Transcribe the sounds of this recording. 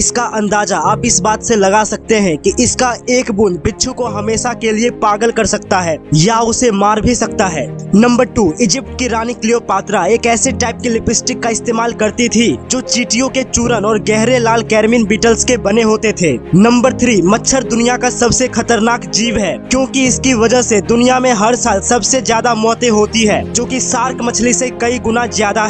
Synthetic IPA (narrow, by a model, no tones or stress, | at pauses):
ɪskaʔɐ̃nd̪aːd͡ʒaaːpɪsbaːt̪selɐɡasɐk̚t̪eɦɛ̃kiʔɪskaeːkbʊnbɪtːʃʰukoɦɐmeːʃakeliepaːɡəlkɐɾsɐk̚t̪aɦɛːjaʊsemaːɾbʱisɐkt̪aɦɛːnɐ̃mbəɾʈuːɪd͡ʒɪp̚ʈ̚kiɾaːnɪklijopaːt̪ɾaeːkɛːseʈaːɪp̚kilɪpɪsʈɪkːaɪst̪eːmaːlkɐɾt̪it̪ʰid͡ʒoːt͡ʃiːʈijõket͡ʃuːɾənɔːɾɡɛɦɾelaːlkɛːɾminbiːʈəlskebɐneɦoːt̪et̪ʰeːnɐ̃mbəɾt̪ʰɾiːmɐtːʃʰəɾd̪ʊnijakasɐbsexɐt̪əɾnaːkd͡ʒiːʋɦɛːkjõːkiɪskiʋɐd͡ʒəɦsed̪ʊnijamẽɦɐɾsaːlsɐbsezjaːd̪amɔːt̪ẽɦoːt̪iɦɛːd͡ʒoːkisaːɾkmɐt͡ʃʰlisekɐiɡʊnazjaːd̪aɦ